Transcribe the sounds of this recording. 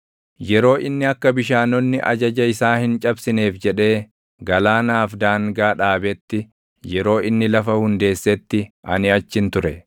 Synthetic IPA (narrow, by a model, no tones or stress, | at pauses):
jɛɾo̞ːʔɪnːɪɐkːɐbɪʃaːnɔnːɪʔɐ̰d͡ʒɐd͡ʒɐɪsaːhɪnt͡ʃʼɐbsɪneːfd͡ʒɛᶑe̞ː | ɡɐlaːnaːfd̪aːŋɡaːᶑaːbɛt̪ːɪ | jɛɾo̞ːʔɪnːɪlɐfɐhʊnd̪e̞ːsːɛt̪ːɪʔɐnɪɐt͡ʃːɪnt̪ʊɾɛ